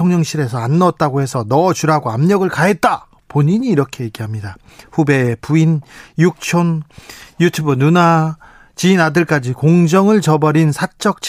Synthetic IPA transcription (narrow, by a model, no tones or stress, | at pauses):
oŋɲʌŋɕʰiɾe̞sʰʌanːʌt̚t͈aɡohe̞sʰʌnʌt͡ɕuɾaɡoamɲʌɡɯɭkaet̚t͈a | poɲiɲiːɾʌkʰe̞je̞ɡiɦamɲida | ɸube̞puinjuk̚t͡ɕʰonjutʰubɯnuna | t͡ɕiinadɯɭk͈ad͡ʑikoŋd͡ʑʌŋɯɭt͡ɕʌbʌɾinsʰat͡ɕ͈ʌk̚t͡ɕʰ